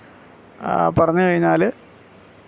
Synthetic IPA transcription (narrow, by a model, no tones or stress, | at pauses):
pɐrɐɲːukɐɻuɲːaːl